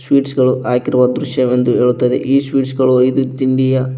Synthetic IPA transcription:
sʋiːʈsɡɐɭuʔaːkiɾuʋɐd̪ɾuʃjɐme̞nd̪uɦe̞ːɭut̪ːɐd̪ḛʔiːsʋiːʈsɡɐɭuɐjd̪ut̪iɳɖijɐ

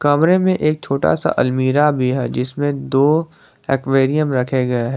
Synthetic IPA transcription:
kɐmɾemẽʔeːk̚t͡ʃʰoːʈa̰sa̰ʔɐlmiːɾabʱiɦɛ̰ːd͡ʒɪsmẽd̪oː | eːkʋeːɾijəmɾɐkʰeɡɐeɦɛː

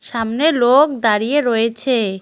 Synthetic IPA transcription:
ʃamnelok̚d̪aɾijeɾɔet͡ɕʰe

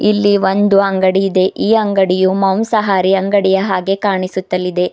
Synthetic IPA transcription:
ilːiʋo̞nd̪uɐŋɡɐɽiːd̪e̞ʔiːɐŋɡɐɽijumɐwmsɐɦaːɾiɐŋɡɐɽijɐɦaːɡe̞kaːɳisut̪ːɐlːid̪e̞

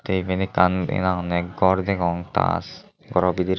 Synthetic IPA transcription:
t̪ebenikanḭnaŋnɛkɡɔɾd̪ɛkɔŋt̪a̰s | ɡɔɾɔbid̪iɾ

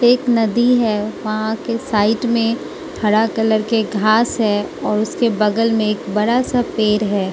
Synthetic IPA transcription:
eːknɐd̪iɦɛːʋɐɦãkesaːɪʈmẽ | ʈʰɐɽakɐləɾkeɡʱaːsɦɛɔːɾʊskebɐɡəlmẽeːkbɐɽasapeːɾɦɛː

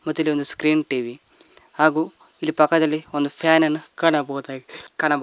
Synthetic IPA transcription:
mɐt̪ːilːiond̪uskɾiːnʈiʋi | haːɡuː | ilːipɐkːɐd̪ɐlːiond̪upʰaːnɐnːukaːɳɐbɐːt̪akaːɳɐb

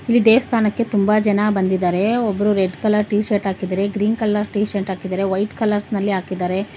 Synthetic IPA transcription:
ilːid̪eːʋɐst̪ʰaːnɐkːe̞t̪umbɐd͡ʒɐnabɐnd̪id̪aːɾe̞ɔbːɐɾuɾeɖkɐlɐɾʈiːʃeʈɦaːkid̪ɐɾe̞ɡɾiːnkɐlːɐɾʈiːʃeɳʈɦaːkid̪aːɾe̞ʋɐjʈkɐlɐɾsnɐlːiaːkid̪aːɾe̞

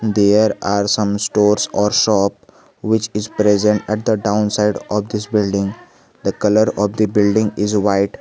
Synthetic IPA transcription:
d̪eːɾaːɾsʌ̃msʈoːɾsɔːɾʃɔːp̚ | ʋɪt͡ʃɪzpɾezə̃ɳʈɛʈ̚d̪əɖãʊ̃nsaɪɖɔːʋd̪ɪsbɪlɖɪ̃ŋɡ | d̪əkʌləɾɔːʋd̪ibɪlɖɪ̃ŋɡɪzʋaɪʈ

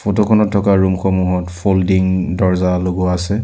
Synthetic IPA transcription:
fotɔkʰɔnɔtʰːɔkaɹumxɔmuɦɔtfʰoldiŋdɔɹzaloɡɔaaːsɛ

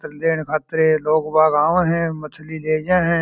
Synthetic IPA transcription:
t̪əɾd̪eːnkʰaːt̪əɾeloːɡbaːɡãːʋẽɦɛ̃ːmət͡ʃʰlileːd͡ʒãːɦɛ̃ː

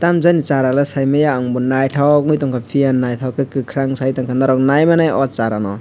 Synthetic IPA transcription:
tamzanit͡ʃaɾalɯsajmajaɔŋbunːajtʰawŋujtɔŋkʰapʰijanːajtʰawkɯkɯkʰɾaŋsajtɔŋkʰanaɾɔk̚najmanajɔt͡ʃaɾanɔ

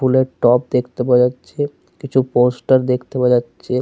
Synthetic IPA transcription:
uleʈɔp̚d̪ekʰt̪ebad͡ʑatːʃʰe | kit͡ʃʰuposʈəɾd̪ekʰt̪ebad͡ʑatːʃʰe

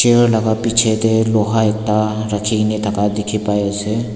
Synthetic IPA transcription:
t͡ʃeɾlɐɡapit͡ʃʰet̪eloːɦaɪt̪ːaɾɐkʰinet̪ʰɐkad̪ɪkʰipaːjese

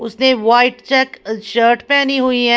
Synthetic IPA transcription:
ʊsneʋaːɪʈt͡ʃɛkʃəːɾʈpɛːniɦuiɦɛ

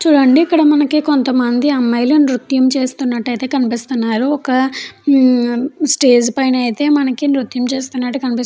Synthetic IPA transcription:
t͡ʃuːɽɐɳɖiːkːɐɽɐmɐnɐkiko̞nt̪ɐmɐnd̪iɐmːɐjlonɾut̪jɐmt͡ʃe̞ːst̪unːɐʈːɐjt̪e̞ːkɐnipist̪unːaːɾuɔkɐ | sʈe̞ːd͡ʒpɐjnɐjt̪e̞ːmɐnɐkinɾut̪jɐmt͡ʃe̞ːst̪unːɐʈːukɐnipis

